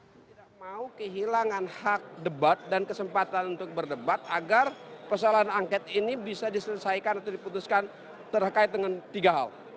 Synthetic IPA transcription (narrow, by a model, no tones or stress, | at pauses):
t̪idak̚maukəɦilaŋanhak̚dəbat̪̚dankəsəmpat̪anunt̪ʊk̚bərdəbat̪̚aɡarpərsoalaɦanaŋkɛt̪inibisadisələsajkanat̪awdiput̪uskan | t̪ərkaɪt̪̚dəŋant̪iɡaɦa̰l